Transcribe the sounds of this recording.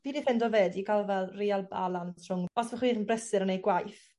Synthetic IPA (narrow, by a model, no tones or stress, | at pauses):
v̥iːdiθɛndɔveːdikʰalˠvɛlˠrialˠba̰lˠantʰrʊŋɔsvəχwiːɾənbrɛsɨɾənejɡwajθ